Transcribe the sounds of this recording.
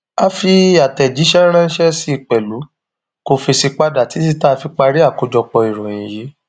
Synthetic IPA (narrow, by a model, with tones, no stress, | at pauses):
a˦fi˧a˨tɛ˨d͡ʒi˨˦ʃɛ˦ɾ̃ã˦ʃɛ˦si˦˧˨k͡pɛ˨lu˨˦ | ko˧fi˧si˧k͡pa˧da˨ti˨˦s̬i˦ta˦˧fi˧k͡pa˧ɾi˦a˦˨ko˧d͡ʒɔ˧k͡pɔ˧i˨ɾ̃ɔ̃˨ĩ˨je˨˦